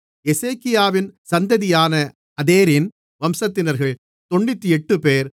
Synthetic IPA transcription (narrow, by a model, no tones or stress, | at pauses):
ɛseːkːɪjaːʋɪnsɐnd̪ɐðɪjaːnɐ | ɐðeːɾɪn | ʋɐmsɐt̪ːɪnɐɾɣɐɭ | t̪ɔɳːɪt̪ːiɛʈːɯpeːɾ